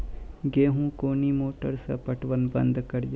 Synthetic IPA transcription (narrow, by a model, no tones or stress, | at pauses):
ɡeːɦũkoːnimoːʈəɾsɐ̰pəʈʋənbɐ̰̃nd̪kɐɽj